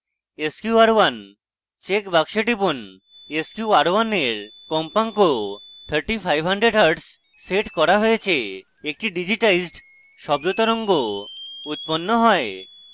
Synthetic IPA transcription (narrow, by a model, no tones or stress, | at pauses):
eskjuaɾwan | t͡ɕekbakʃeʈipon | eskjuaɾwaneɾkɔmpaŋkot̪ʰəɾʈipʰajbʱɦaɳɖɾeɖɦaɾɖs | seʈkɔɾaɦojet͡ɕʰe | ek̚ʈiɖid͡ʑiʈajzɖ | ʃɔbd̪ut̪ɔɾɔŋɡout̪̚ponːoɦɔe